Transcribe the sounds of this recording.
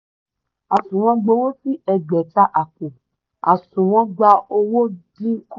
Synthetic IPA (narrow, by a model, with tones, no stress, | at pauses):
a˨sũ˨w̃ɔ̃˧ɡ͡bo˧˦wo˦fi˦ɛ˧ɡ͡bɛ˨ta˦ʔa˨kũ˨ | a˨sũ˨w̃ɔ̃˧ɡ͡ba˧o˧wo˦dĩ˦k